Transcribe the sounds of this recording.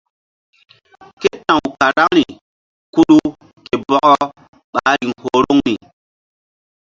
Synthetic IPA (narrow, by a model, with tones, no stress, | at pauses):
ke˦tã˨wka˨ɾa˦ŋɾi˨ | ku˦ɗu˦ | ke˨bɔ˦kɔ˦ | ɓa˨˦ɾi˨ŋho˨˦ɾo˦ŋni˨